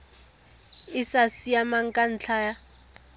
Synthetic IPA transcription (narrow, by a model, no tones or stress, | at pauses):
ɪsasiamaŋ̩kʼan̩t͡ɬʰaːja